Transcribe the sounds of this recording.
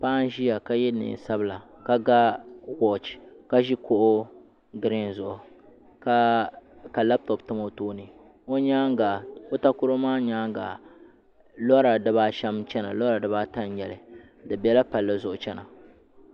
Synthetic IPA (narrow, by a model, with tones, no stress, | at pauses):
pa˦n˦ʒi˦ja˨ka˦jɛ˦nɨ̰˨n˨sa˦bɨ˨la˨ | ka˦ɡa˦kɔ˦˨t͡ʃka˦ʒi˦ko˦ʔʊ˦ | ɡɨ˨ɾɪ˦nzʊ˨ʔʊ˨ | ka˦ka˨la˦b̚tɔ˨ptɨ˦mo˦toː˦nɨ˨ | o˦ɲa˦ɡa˨o˦ta˦kʊ˦ɾo˦maː˦ɲaː˦ŋɡa̰˨ | lɔ˦ɾa˨dɨ˨˦ba˦ʃɛ˦mt͡ʃɛ˦na̰˨lɔ˦ɾa˨dɨ˨ba˦ta˦njɛ˨lɨ˨ | dɨ˨bɛ˦la˦pa˨lːɨ˦zʊ˨ʔʊ˨t͡ʃɛ˦na˨